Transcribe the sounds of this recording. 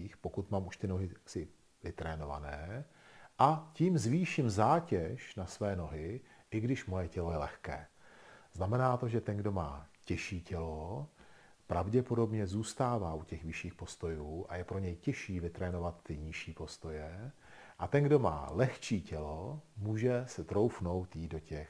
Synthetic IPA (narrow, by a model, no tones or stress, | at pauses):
iːxpo̞kut̪mamuʃt̪ɪno̞ɦɪsɪ | vɪt̪ɾɛːno̞va̰nɛː | ʔaciːmzviːʃɪmzaːcɛʃnasvɛːno̞ɦɪʔɪɡdɪʃmo̞jɛcɛlo̞jɛlɛxkɛːz̥namɛnaːt̪o̞ʒɛt̪ɛnɡdo̞ma̰ːcɛʃiːcɛlo̞ | pɾʔavɟɛpo̞do̞bɲɛzuːst̪aːvaːʔucɛxvɪʃiːxpo̞st̪o̞juːʔajɛpɾo̞ɲɛjcɛʃiːvɪt̪ɾɛːno̞vat̪ːɪɲɪʃiːpo̞st̪o̞jɛ | ʔat̪ɛnɡdo̞ma̰ːlɛxt͡ʃiːcɛlo̞muːʒɛsɛt̪ɾo̞wfno̞wt̪jiːddo̞cɛx